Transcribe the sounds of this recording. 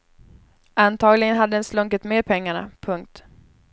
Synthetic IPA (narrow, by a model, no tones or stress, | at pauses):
ant̪ʰɑːɡlɪɡənɦad̪ːəɛnslɵŋkət̪meːd̪̚pʰɛŋːaɳa̰pʰɵŋk̚t̪